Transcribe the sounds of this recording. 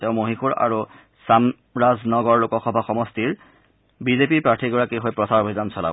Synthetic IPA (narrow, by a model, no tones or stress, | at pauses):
teʊ̃moɦikuɹa̰ɹu | sam | ɹaznɔɡɔɹlokɔxɔbʱaxɔmɔstiɹ | bizepiɹpɹaɹtʰiɡɔɹakiɦojpɹɔsaɹobʱidansɔla̰b